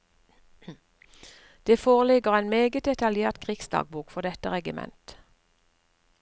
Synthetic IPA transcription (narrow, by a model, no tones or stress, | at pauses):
d̪̥eːfoːʁəlɪɡəʁæɪnmeːɡət̪̚d̪ɛt̪ɑljeːʁt̪kʰʁɪksd̪ɑ̰ːɡ̚buːkfɔʁd̪ɛt̪əʁɛɡɪmɛ̰nt̪